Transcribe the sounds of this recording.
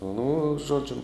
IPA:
nʊ ˈʒoːd͡ʒʲʊ

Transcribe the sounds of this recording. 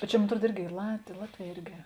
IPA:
bʲɛt ˈt͡ʃʲɛ moːn ɐtˈruɔt ˈɪrʲɡʲɪ ˈiː lˠɐt ˈlˠɑːtʲˌʋʲɛː ˈɪrʲɡʲɪ

